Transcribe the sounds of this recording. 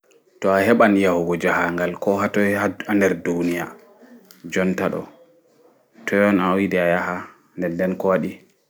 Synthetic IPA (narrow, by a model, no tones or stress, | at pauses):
tɔaɦɛɓanjahuɡɔd͡ʒahaŋɡalkɔɦatɔaandɛɾdunija | d͡ʒɔntaɗɔ̰ | tʰɔjɔnawidɛajaha | ndɛndɛnkɔwaɗi